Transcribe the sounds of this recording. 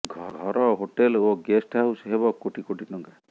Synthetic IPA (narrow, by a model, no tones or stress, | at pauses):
ɡʱɔɡʱɔɾɔɦoʈeloɡesʈaɦuseɦebɔkoʈikoʈinɔŋɡa